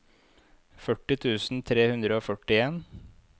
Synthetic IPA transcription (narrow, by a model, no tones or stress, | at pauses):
fœʈːɪt̪ʰʉːsn̩t̪ʰɾeːhʉnd̪ɾəoːfœʈɪeːn